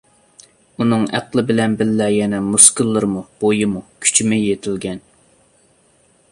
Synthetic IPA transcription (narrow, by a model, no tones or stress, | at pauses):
unɨŋæ̰qlˠɪbɪlɛnbɪlːɛjɛnɛmuskɨlˠːɨɾmub̥ojɨmukʲʰy̥t͡ʃʰimɪjet̪ʰɪlɡʲɛn